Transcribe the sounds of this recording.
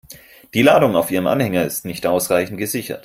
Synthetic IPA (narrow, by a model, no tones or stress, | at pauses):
d̥iːlaːdʊŋaʊfʔiːʁəmʔa̰nhɛŋɐɪstnɪçtʔaʊsʁaɪçn̩t̚ɡ̥əzɪçɐ̰t